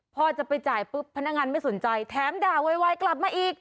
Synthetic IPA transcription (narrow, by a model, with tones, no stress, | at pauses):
pʰɔː˧˥˩t͡ɕa˨˩pa˧jt͡ɕaː˨˩jpɯ˦˥p̚ʰːnːa˦˥ŋaː˧nma˥˩jso˩˦nt͡ɕa˧jt̪ʰɛː˨˦mdaː˨˩wa˧jwa˦˧˥jkla˨˩p̚maː˧ʔiː˨˩k̚